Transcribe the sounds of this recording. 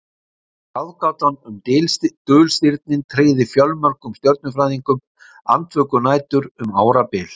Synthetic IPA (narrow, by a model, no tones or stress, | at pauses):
kaðkaːwt̪anʏmt̪ɪlt̪œːlst̪ɪɾt̪̚nɪnt̪ʰɾeːjðɪfjœlmaɾkʏmst̪jɔɾt̪̚nʏfɾajðiŋkʏm | a̰nt̪ʰvœːkʏnaːjt̪ʏɾʏmaːwɾapɪːl